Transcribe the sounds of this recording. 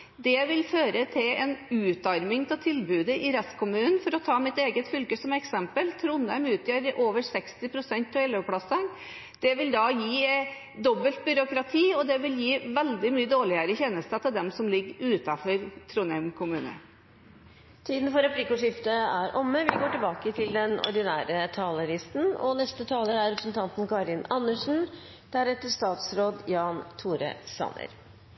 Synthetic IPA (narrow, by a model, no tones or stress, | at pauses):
d̪ɛʋɪlføːɾət̪ʰɪlɛnʉːt̪ɑɾmɪŋt̪ʰɪlt̪ʰɪlbʉːd̪əʔɪɾɛst̪kʰʊmʉːnn̩fɔɾɔt̪ʰɑːmɪt̪eːɡət̪fʏlkəsɔmɛksɛmpəlt̪ʰɾʊnːæmʉːt̪jəɾʔoːʋəsɛkst̪ɪpʰɾʊsɛnt̪ʰɔɛləʋpʰɽɑsən | d̪̥ɛʋɪld̪ɑjiː | d̪ɔbːəlt̪̚bʏɾʊkɾɑt̪ʰiːɔd̪ɛʋɪljiːʋɛld̪ɪmyːəd̪oːɭɪəɾəçɛːnəst̪ət̪ʰɪld̪ɛmsɔmlɪɡʉːt̪ɑfɔɾt̪ʰɾuːnɛmkʰʊmʉːnə̰ | t̪ʰiːd̪n̩fɔɾɛpʰlikʊʂɪft̪əæɾʔɔmːəʋɪɡoːʈɪlbɑːkət̪ʰɪld̪ɛnɔ̰ɾɖ̪ɪnæːɾət̪ʰɑːləɾɪst̪n̩ɔ̰nɛst̪ət̪ʰɑːləɾæɾɛpɾsnt̪ʰɑnt̪nkɑɾɪnɑnːəʂn̩ | d̪̥æɾɛt̪ːəst̪ɑːt̪sɾoːd̪jɑːnt̪ʰuːɾə̰sɑ̰nə̰ɾ